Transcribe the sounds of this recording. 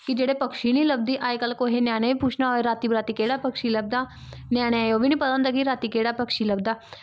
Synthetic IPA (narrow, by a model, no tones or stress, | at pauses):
kɪd͡ʒeːɽeːpəkʃiːniːləb̚d̪iːʔaːekəlkoɦeːnaːɽ̃eːʋiːpuːt͡ʃʰnaːoːeɾaːt̪iːbɾaːt̪iːkeːɽaːpəkʃiːləb̚d̪aː | nɛːɽ̃ejoːʋiːnĩːpəsə̃nd̪aːkiɾaːt̪iːkeːɽaːpəkʃiːləbd̪aː